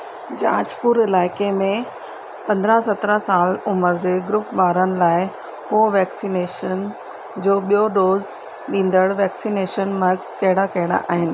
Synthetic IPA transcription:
d͡ʑaːd͡ʑpuɾɪlaːɪkemẽ | pɐ̃nd̪ɾasɐt̪ɾəsaːlʊməɾd͡ʑeːɡɾʊpʋaːɾənɪ̆laːɪ | koːʋɛːksineːʃən | d͡ʑoːɓijoɗoːz | ɗĩːn̆d̪əɽʋɛːksineːʃənmɐɾɡskɐɦɪɽakɐɦɪɽa̰ʔaːɦɪnɪ̆

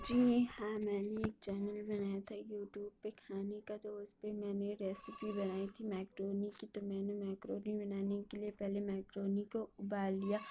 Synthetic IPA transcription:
d͡ʒiːhãːmɛːneeːk̚t͡ʃɛːnəlbɐnaːjat̪ʰajuːʈjuːb̚pekʰaːnekad̪oːʊzpemɛ̃ːneɾɛːsɪpibɐnaːit̪ʰimɛːkɾoːnikit̪omɛ̃ːnemɛːkɾoːnibɐnaːnekeliepɛɦlemɛːkɾoːnikoʊbaːlːijaː

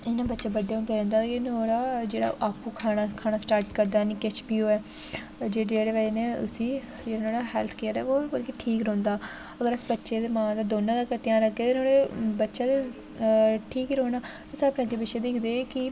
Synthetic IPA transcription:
ɪnãːbətːʃaːbəɖeːɦõːnd̪aːɾɛ̃ːnd̪aːt̪ːkenoːɽaːd͡ʒeːɽa̰ːʔaːpːũːkʰaːnaːkʰaːnaːsʈaːɾʈkəɾd̪aːniːket͡ʃbiːoːɛː | d͡ʒeːd͡ʒeːɽeːʋaeneːʊ̰sĩː | d͡ʒeːaːnoːɽaːɦɛːlt̪ʰkeːəɾɛ̰ːoːəlkeʈʰiːkɾõːnd̪aː | əɡəɾəsbətːʃeːd̪eːmãːd̪aːd̪oːnãːd̪aːkət̪jãːɾəkʰːeːt̪enoːɽeːbətːʃaːd̪e | ʈʰiːkːɾõːnaː | əsaːpnãɡ̪eːbɪʃeːd̪iːkd̪eːkɪ

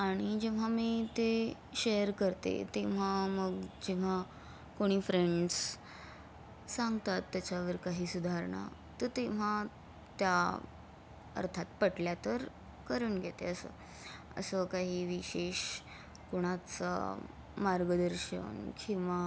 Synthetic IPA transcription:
aɽ̃id͡ʑeʋ̤amiːt̪e | ɕejəɾkəɾt̪ḛt̪eʋ̤aməɡd͡ʑeʋ̤a | koɽ̃iːfɾeɳɖs | sãŋɡt̪at̪ːjat͡ɕaʋəɾkaɦiːsud̪ʱaɾɳa̰ | t̪ət̪eʋ̤a | t̪ja | ə̰ɾt̪ʰat̪̚pəʈljat̪əɾ | kəɾuːnɡʱet̪ḛəsə̰ | ə̰səkaɦiːʋiɕeɕ | koɽ̃at͡sa̰ | maɾɡəd̪əɾɕə̰nkĩʋa

